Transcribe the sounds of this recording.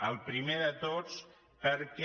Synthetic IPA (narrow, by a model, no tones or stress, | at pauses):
əlˠpɾimeðət̪ot͡s | pəɾkɛ